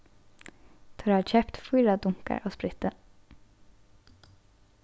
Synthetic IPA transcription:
t̪ʰɔɹaːc͡çʰɛpt̪fuːɾad̪ʊŋka̰ɹʔoːspɾɪt̪ə

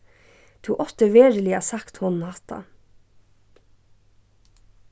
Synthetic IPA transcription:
t̪ʰuːʔɔt̪əʋeːɹəlɪɑsɑkt̪hɔnn̩hɑt̪ʰɑ̰

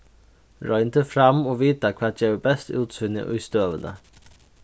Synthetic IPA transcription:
ɾɔʏnt̪ʰəfɾɑmoːʋiːt̪əkʰʋɑːtjeːʋəbɛst̪ʉːt̪sʏnə̰ʔʉst̪øːʋənə̰

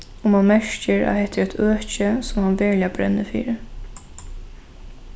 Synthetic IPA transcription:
ɔmɑnmɛɹcəɹa̰hɛht̪ːəɾɛt̪ʰøːcəsɔmhɑnʋɛɹlɪabɾɛ̰nːəfḭːɾə

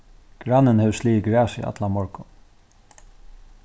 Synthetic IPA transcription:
ɡ̥ɾanːənhɛvsliːɡɾæːsḭʔa̰t̪lamɔɹkʊ

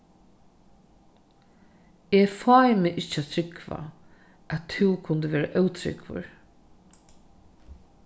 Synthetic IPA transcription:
ɛfɔːjmɪʔɪt͡ʃːat̪ʰɾɪkva̰ | ʔæt̪ʰːɪwkʰʊnt̪əʋeːɾaʔœwt̪ʰɾɪ̰kvʊ̰ɹ

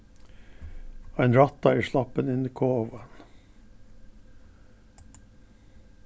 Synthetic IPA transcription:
ɑɪnɾɑt̪ɑiːʃlɑpənɪniːkʰoːʋən

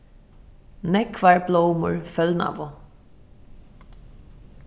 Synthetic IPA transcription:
nɛkʰvaɹblowmʊ̰ɹfœlna̰vʊ

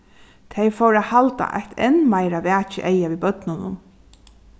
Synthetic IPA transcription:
t̪ʰejfowɾahalt̪a̰ʔa̰jht̪ʰɛ̰nːmaɪɾaʋæːt͡ʃɪ̰ʔejaʋiːbœt̪nʊnʊ̰m

